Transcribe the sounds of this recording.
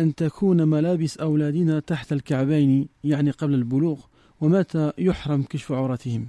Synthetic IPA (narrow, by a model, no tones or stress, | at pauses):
ʔant̪akʰuːnmælaːbɪsʔawlæːd̪ɪnat̪aħt̪alkaʕbajnjaʕniqɑblalbʊluːɣ | wamæt̪ajʊħɾˤɑmkaʃfʊʕuɾˤɑt̪ɪhɪm